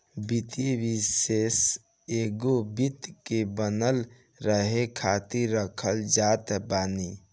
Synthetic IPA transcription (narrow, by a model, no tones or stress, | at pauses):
bit̪eʋises | eɡobit̪kebənəl | ɾəɦekʰat̪iɾːəkʰəld͡ʒat̪baːni